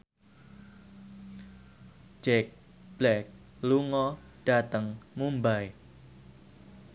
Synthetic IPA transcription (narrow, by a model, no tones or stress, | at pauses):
d͡ʒɛk̚ | b̥lɛk̚ | luŋɔɖ̥a̤t̪əŋmumbaj